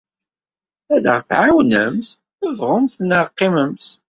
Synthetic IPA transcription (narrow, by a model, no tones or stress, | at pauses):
æðə̰ʁθʕawnəmθ | əvʁʊmθnəʁqːɪməms